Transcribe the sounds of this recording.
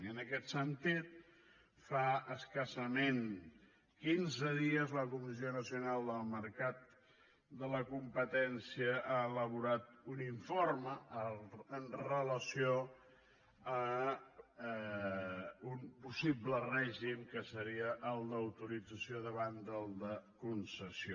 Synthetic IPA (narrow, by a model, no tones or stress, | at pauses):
ənəkɛt̪sənt̪it̪̚ | faəskəsəmen | kinzəðiəzləkumis̬ionəsiunalˠd̪əlˠməɾkat̪̚ | d̪ələkumpət̪ɛnsiəʔaələβ̞uɾat̪uniɱforməəənrələsio | ə | unpusiblərɛʒimkəsəɾiəʔəlˠd̪əəwt̪uɾid͡zəsioðəβand̪əlˠd̪əkunsəsio